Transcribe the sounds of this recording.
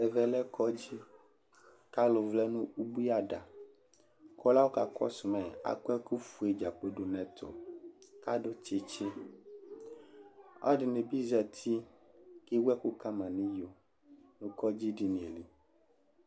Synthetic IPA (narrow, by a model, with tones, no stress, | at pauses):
ɛ˨vɛ˨lɛ˦kʰɔ˦d͡ʑi˦ | ka˦lo˨vlɛ˦nũ˦u˦bu˦i˦a˦ɖa˨ | kʰɔ˦la˦wo˦ka˨kɔ̰˦su˨mɛ̃˨a̰˨kɛ˦ku˦fu˨e˨d͡ʒa˨k͡pe˦ɖo˨nɛ̃˨t̪ʰo̰˨ka˦ɖo˦t͡ʃe˦t͡ʃe˦ | a̰˦ɖi˨ne˨bi˦zɛ˨t̪ʰi˦ | ke˦wɛ˦ku˦ka˦mã˨nĩ˦jo˨ | nũ˨kɔ˦d͡ʑi˦ɖi˨nĩ˨e˨li˨